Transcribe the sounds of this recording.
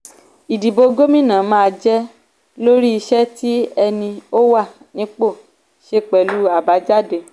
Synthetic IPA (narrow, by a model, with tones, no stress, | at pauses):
i˨di˨bo˨˧ɡo˦mĩ˦˨nã˨˦mãː˦˧d͡ʒɛ˦ | lo˦ɾi˦i˧ʃɛ˦ti˦ɛ˧nĩ˧o˦wa˦˨ | nĩ˧˦k͡po˦˨ | ʃe˧k͡pɛ˨lu˨˦a˦˨ba˨˦d͡ʒa˦˨de˧˨